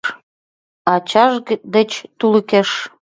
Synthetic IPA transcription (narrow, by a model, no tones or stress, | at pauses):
ɑt͡ɕɑʒd̪ə̆t͡ɕt̪uləkeʃ